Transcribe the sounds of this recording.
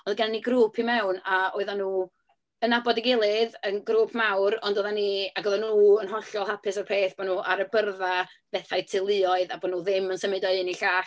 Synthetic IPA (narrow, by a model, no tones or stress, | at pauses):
ɔndɡanniɡɾuːpʰimɛwnaoɨðanːuː | ənabɔdiɡɪlˠɪðənɡɾuːpʰmawɾɔndoːðaniaɡoðanuːənɦɔɬjɔlˠɦapʰɨsarpʰeːθb̥ɔnuːʔaɾəbərða | b̥ɛθajtʰɪlˠɨɔɨðabɔnuːðɪmənsəmɪdɔɨɪniɬaːɬ